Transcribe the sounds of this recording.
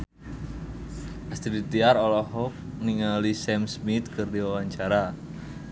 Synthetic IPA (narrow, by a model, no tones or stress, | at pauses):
ʔast̪idit̪iaɾɔlɔɦɔk̚niŋalisɛmsmit̪̚kɨrdiwawaɲt͡ʃaɾa